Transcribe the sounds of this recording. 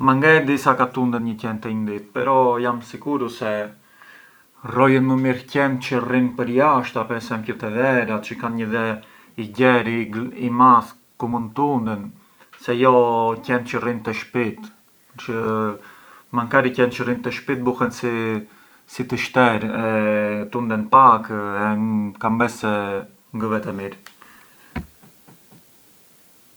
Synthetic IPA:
maŋɡɛd̪isakat̪und̪ənɲəcɛnt̪ɛind̪it̪̚pɛɾɔjamsiɡuɾusɛ | rɔjənməmiɾcɛnt͡ʃərinpəɾjaʃt̪apɛɾsɛmkut̪ɛðɛɾat͡ʃəkanɲəðɛ | iɟɛɾiimaθ | kumunt̪und̪ən | sɛjɔcɛnt͡ʃərint̪əʃpit̪ | t͡ʃə | maŋkaɾicɛnt͡ʃərint̪ɛʃpit̪̚buhɛnsi | sit̪əʃt̪ɛɾɛt̪und̪ɛnpakɛkambɛsɛ | ŋɡəvɛt̪ɛmiɾ

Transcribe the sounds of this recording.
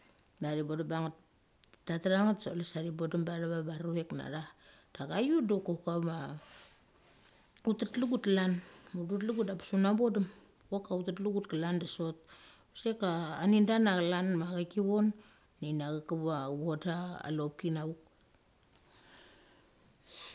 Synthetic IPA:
naɾibodabaŋat̚ | tataɾaŋatsolesaɾibo̞dambadaβabaɾuekna̰ɾa | d̥aɡajudokokama | utatluɡutlanmudutluɡutapḁsunabo̞dam | wokautatluɡut̚kalandaso̞t̚ | sekaːnindanaɡalanmaɡakiβo̞nː | inaɡakaβaβodaa̰lop̚kinauk̚

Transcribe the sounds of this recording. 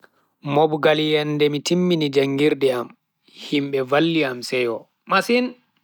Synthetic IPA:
mɔbɡaljɛndɛmitimːinid͡ʒaŋɡiɾɗɛam | himɓɛvalːiamsɛjɔ | masin

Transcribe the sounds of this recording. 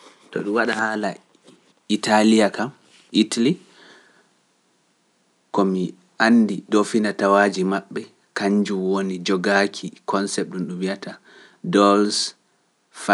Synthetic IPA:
tɔ̰ɗumwaɗahaːla | itʰalijakam | ʔitali | kɔmi | ʔandiɗofinatawad͡ʒimaɓːɛ | kaɲd͡ʒumwonid͡ʒɔɡakʰikɔnsɛp̚ɗunɗumwiata | dɔls | fa

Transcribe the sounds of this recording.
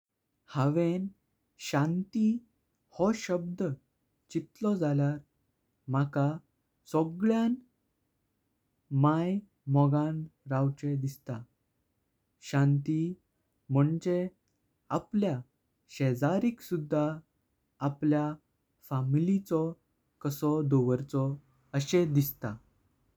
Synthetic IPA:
haʋen | ɕãnt̪i | hɔɕəb̚d̪ə | t͡ɕit̪lɔd͡zʱaljaɾ | m̤aka | sɔɡɭjan | maj | mɔɡãnɾawt͡ɕed̪ist̪a | ɕãnt̪i | m̤əɳd͡ʑe | aplja | ɕɛd͡zaɾiksud̪ʱːaː | plja | familit͡sɔ | kəsɔd̪oʋəɾt͡sɔ | əɕed̪ist̪a

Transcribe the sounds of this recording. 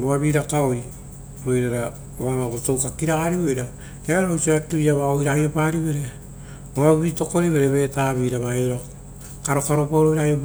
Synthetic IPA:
boaβiɾakaoj | ɾo̞jɾaɾa | oamabotowkakiɾaɡaɾiβojɾa | eaɾɾowsiatiiaβaojɾajopaɾiβe̞ɾe̞ | oaβuβito̞ko̞ɾiβe̞ɾe̞βe̞taːβiːɾaβaeɾa | kaɾo̞kaɾo̞paoɾojɾajop

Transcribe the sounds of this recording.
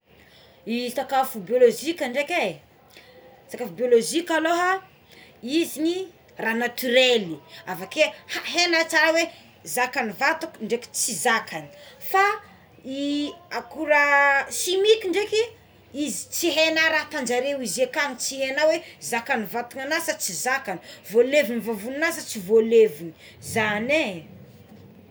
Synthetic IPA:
it̪akafubioloʒikaɳɖ͡ʐeke | t̪akafubioloʒikaloɦa | izini | ranat̪yɾeliavakehaɦenat͡saɾawe | zakanivat̪ukuɳɖ͡ʐeki̥t͡sizakʰani̥fa | iakuɾəʃimikʲiɳɖ͡ʐeki | izi̥t͡siɦenaɾat̪and͡ʒaɾewizekanit͡siɦenawezakanivat̪uŋanasət͡sizakani̥volevinivovunnasət͡sivolevini | zane

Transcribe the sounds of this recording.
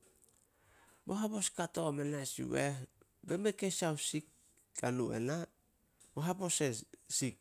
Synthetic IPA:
boɦapo̞skato̞menasḭwe | bemekesawsik̚ː | anuḛna | boɦapo̞sesik̚

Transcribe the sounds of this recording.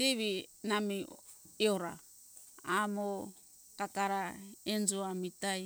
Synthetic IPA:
tiβinamiioɾa̰ | amo | kakaɾaend͡ʒoamitaj

